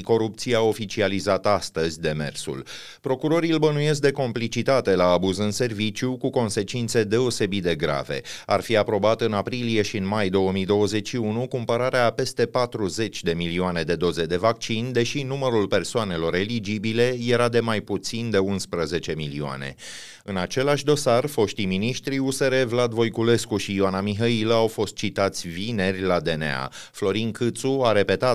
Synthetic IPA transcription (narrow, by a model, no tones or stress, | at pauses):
ko̞ɾup̚t̪sieao̞fit͡ʃializat̪ast̪əzʲd̪e̞me̞̰rsṵl | pɾo̞kuɾo̞ɾilbənuje̞s̬k̚d̪eko̞mplit͡ʃit̪at̪e̞laːbuzɨnse̞rvit͡ʃjukuko̞nse̞t͡ʃint̪se̞d̪e̞o̞se̞bit̪̚d̪e̞ɡɾa̰ve̞̰a̰rfiapɾo̞bat̪ɨnapɾilie̞ʃiɨnmajd̪o̞wəmijd̪o̞wəze̞t͡ʃʲʃiunukumpəɾaɾeape̞st̪e̞pat̪ɾuze̞t͡ʃʲd̪e̞milioane̞d̪e̞d̪o̞ze̞d̪e̞vak̚t͡ʃind̪e̞ʃinuməɾulpe̞rsoane̞lo̞ɾe̞lid͡ʒibile̞je̞ɾad̪e̞majput̪sind̪e̞unspɾəze̞t͡ʃe̞milioa̰ne̞̰ | ɨnat͡ʃe̞laʃʲd̪o̞sarfo̞ʃt̪iminiʃt̪ɾiuse̞ɾe̞vlad̪vo̞jkule̞skuʃiːanamiɦəiləawfo̞st̪̚t͡ʃit̪at̪sʲvine̞rʲlad̪e̞nḛa̰ | flo̞ɾiŋkʰɨt̪suaɾe̞pe̞t̪a